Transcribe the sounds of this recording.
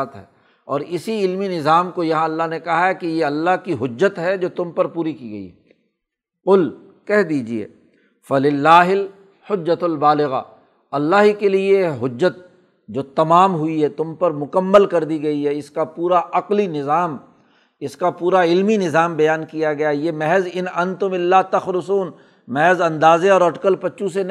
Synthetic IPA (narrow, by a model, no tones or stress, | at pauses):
t̪ɦɛː | ɔːɾɪsiɪlminɪzaːmkojɐɦãɐlːaɦnekɐɦaɦɛkijeɐlːaɦkiɦʊd͡ʒːət̪ɦɛd͡ʒoːt̪ʊmpɐɾpuːɾikiːɡɐḭɦɛ | qʊl | kɛɦd̪iːd͡ʒiḛː | fɐlɪlːaːɦɪl | hʊd͡ʒːɐt̪lbaːlɪɣa̰ | ɐlːaːɦikelieɦʊd͡ʒːət̪̚ | d͡ʒoːt̪ɐmaːmɦʊiɦɛt̪ʊmpɐɾmʊkəmːəlkɐɾd̪iɡɐiɦɛɪskapuːɾaʔɐqlinɪzaːm | ɪskapuːɾaɪlminɪzaːmbɐjaːnkijaɡɐjajeːmɛɦɛzɪnɐ̃nt̪ʊmɪlːaːt̪ɐxɾʊsuːn | mɛɦɛzɐ̃nd̪aːzẽɔːɾɔːʈɪkəlpɐtːʃʰũse